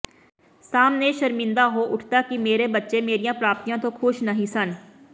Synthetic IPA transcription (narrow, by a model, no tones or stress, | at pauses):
saːmneʃɐɾmɪ̃nd̪aɦoʔʊʈʰt̪akimeːɾebɐtːʃemeːɾijãpɾaːp̚t̪ijãt̪oxʰʊʃnɐɦĩsɐn